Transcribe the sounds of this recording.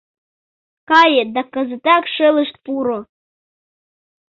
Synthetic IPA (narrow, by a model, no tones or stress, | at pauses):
kɑjed̪ɑkɤ̆zət̪ɑkʃelə̆ʃt̪̚puɾo